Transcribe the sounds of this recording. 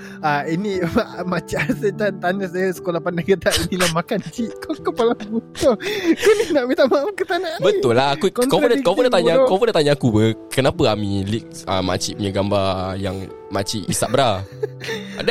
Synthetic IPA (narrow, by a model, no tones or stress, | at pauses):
ainĩaʔmat͡ʃiʔasət̪ant̪anas̬ajasə̥kolahpandaŋɡət̪aʔinilamakankiʔkɔkopalaukɔkɔninaʔmit̪aʔmaamkət̪anaʔbət̪ʊlːaɦakukkɔuakapudat̪aɲakɔpodat̪aɲaːkubəkənapəamĩlik̚a̰ma̰t͡ʃiʔpəɲəɡambajaŋ | mat͡ʃiʔḭsa̰ʔbəɾa | a̰da